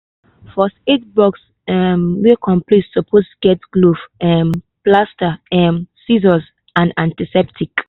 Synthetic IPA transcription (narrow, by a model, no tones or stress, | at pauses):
fɔset̚bɔks | ɛmwikʰɔ̃mplitsɔpʰostuɡ̥ɛtɡlufɛm | plastaɛmsizɔs | ãnãntisɛp̚tʰik